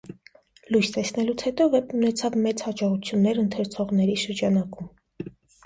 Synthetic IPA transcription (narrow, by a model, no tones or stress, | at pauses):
lujst̪ɛsnɛlut͡sʰhɛt̪ɔvɛpnunɛt͡sʰɑvmɛt͡shɑd͡ʒɔʁut͡sʰjunːɛɾənt̪ʰəɾt͡sʰɔʁnɛɾiʃəɾd͡ʒɑnɑkum